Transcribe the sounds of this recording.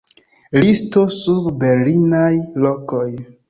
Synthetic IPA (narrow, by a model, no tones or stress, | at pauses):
listosubbeɾlinajlokoj